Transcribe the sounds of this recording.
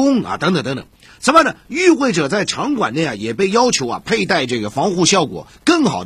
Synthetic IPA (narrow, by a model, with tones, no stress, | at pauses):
ʊ˥ŋɐ̰˨˩t̪ə˧˥ŋt̪ə˨˩ŋt̪ŋt̪ə̰˨˩˦ | t͡sʰə˧˥mə˥˩nə˩y˥˧xwe˥˩ɪʈ͡ʂɤ˨˩t͡sa˥˩ɪʈ͡ʂʰɑ˧˥ŋkwa̰˨˩ne˥˩ɪa˩jɛ˨˩pe˥˩ɪjɑ˥ʊt͡ɕʰjo˧˥ʊɐ̰˨˩pʰe˥˧ɪt̪a˥˧ɪʈ͡ʂɤ˥˩ɡə˩fɑ˧˥ŋxu˥˧ɕjɑ˥˩ʊkwɔ̰˨˩ | kɤ˥˩ŋxɑ˨˩ʊd̪